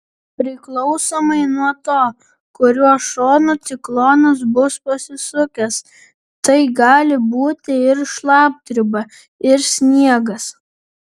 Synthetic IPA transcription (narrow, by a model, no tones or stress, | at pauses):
pʲɾʲɪklˠɒʊsoːmɐɪnuɔt̪oː | kʊɾʲuɔʃoːnuːt̪sʲɪklˠoːnɐs̬bʊspɐsʲɪsʊkʲɛs | t̪ɐɪɡɑːlʲɪbuːt̪ʲɪɪɾʃlˠɑːp̚t̪ʲɾʲɪbɐ | ɪɾsʲnʲiɛɡɐs